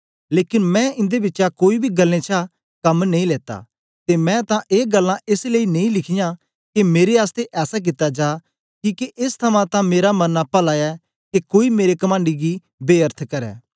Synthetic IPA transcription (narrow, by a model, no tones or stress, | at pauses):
leːkɪnmɛ̃ɪ̃nd̪ebɪtːʃakoːibʱiɡɐlːẽt͡ʃʰa | kɐmnɐ̃ĩleːt̪a̰ | t̪emɛ̃t̪ãʔeːɡɐlːãʔɪsleinɐ̃ĩlɪkʰɪjã | kemeːɾeaːst̪eʔɛːsak̬ɪt̪ːad͡ʒaː | kikeʔɪst̪ʰɐmãt̪ãmeːɾamɐnːapɐlajɛ | kekoːimeːɾekɐmãːɳɖiɡi | beːəɾt̪ʰkɐɾɛ̰ː